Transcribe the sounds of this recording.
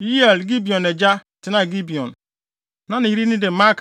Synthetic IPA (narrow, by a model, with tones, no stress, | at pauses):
ji˦e˨lɡi˦bi˨ɔ˨ne˨d͡ʒa˦ | tɪ˨˦na˦ɡi˦bi˨ɔ̰˨n | nã˦ni˨i˦ɾi˦nĩ˦de˨ma˦k